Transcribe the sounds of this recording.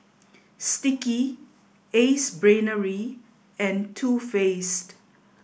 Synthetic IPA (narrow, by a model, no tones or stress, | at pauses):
stiki | esbɹẽnəɹi | ɛ̃ntʰuːfest